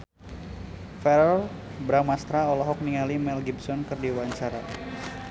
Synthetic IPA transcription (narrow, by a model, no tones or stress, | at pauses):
fɛɾɔl | bɾamast̪ɾaɔlɔɦɔk̚niŋalimɛlɡibsɔnkɨrdiwaɲt͡ʃaɾa